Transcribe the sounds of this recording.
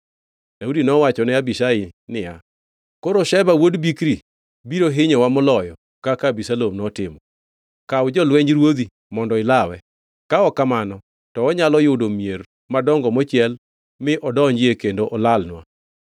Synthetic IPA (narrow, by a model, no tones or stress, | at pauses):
daudinɔwat͡ʃɔnɛabiʃaɪnɪja | koɾoʃɛbawodbikɾi | biɾoɦɪɲɔwamɔlɔjɔ | kakabisalomnɔtɪmɔ | kaʊd͡ʒɔlwɛɲɾwod̪i | mɔndɔɪlawɛ | kaɔkamanɔ | tɔɔɲalɔjʊdomier | madɔŋɡɔmɔt͡ʃɪɛl | mɪʔɔdɔɲd͡ʒɪekendoʔɔlalnwa̰